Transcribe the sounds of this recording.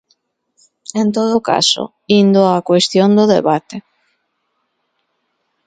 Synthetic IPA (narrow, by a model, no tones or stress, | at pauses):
ent̪oðoka̰so̰ | ind̪oakwest̪jond̪oðḛβat̪e